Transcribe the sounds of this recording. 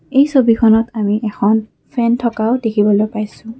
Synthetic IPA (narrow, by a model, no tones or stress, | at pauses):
ejsobikʰɔnɔtamiʔɛkʰɔn | pʰɛntʰɔkaʊdekʰibɔlojpajsʊ̃